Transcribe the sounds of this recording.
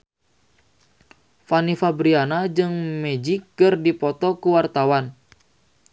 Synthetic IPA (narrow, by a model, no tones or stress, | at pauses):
fanifabɾianad͡ʒɨŋmɛd͡ʒikːɨrdipɔt̪ɔkuwart̪awan